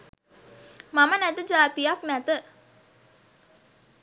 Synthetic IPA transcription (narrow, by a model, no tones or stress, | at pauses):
mamənæt̪əd͡ʒaːt̪ijaknæt̪ə